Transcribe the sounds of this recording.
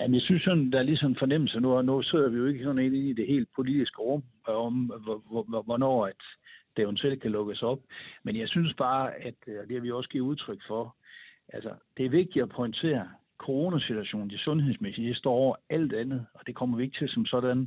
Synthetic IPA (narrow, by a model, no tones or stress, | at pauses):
jæmnjɑsynsːɒ̽nnd̥ɑ̈æɐlisɒ̽menfɒ̽nem̰l̩sɐnunose̝ð̞̰ˠɐʋijo̝e̝ɡ̥əsɒ̽dn̩e̝ne̝nid̥e̝ɦe̝̰ːld̥̚pʰo̝lid̥isɡ̥əʁɔ̽m̰ | ɒm | ʋɒnɒ̰ːæd̥d̥ehunsel̰kʰælɔ̽ɡ̥əsɒ̽b̥menjɑ̈ɪsynsb̥ɑ̈ːæd̥d̥e̝hæʋioɒsɡ̥iuðˠt͡sʰʁœɡ̥fɒʔælsɐd̥e̝æɐʋe̝ɡ̥̚d̥iɒpʰɒɪnt͡sʰe̝̰ːɐ | kʰo̝ʁo̝ːnæsit͡suæɕo̝̰ːn̩d̥isɔ̽nheðˠsmesid̥isd̥ɒ̰ːɒʊɐæl̰d̥ænð̩ˠɒ̽d̥e̝kʰɒ̽m̰ɐʋie̝ɡ̥̚t͡sʰe̝lsɒ̽msɒ̽d̥æn